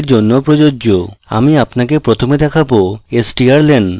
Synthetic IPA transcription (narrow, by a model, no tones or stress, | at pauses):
ɾd͡ʑonːopɾod͡ʑooa̰miapnakepɾot̪ʰomed̪ɛkʰaboesʈiaɾlen